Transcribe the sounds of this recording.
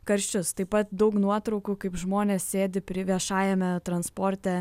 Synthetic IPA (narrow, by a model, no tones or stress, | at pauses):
kɐɾʲʃʲt͡ʃʲʊst̪ɐɪpɐt̪d̪ɐʊknuɔt̪ɾɒʊkuːkɐɪpʒmoːnʲeːssʲeːd̪ʲɪpʲɾʲɪʋʲiɛʃɑːjɛmʲɛt̪ɾɐnspoːɾʲt̪ʲɛ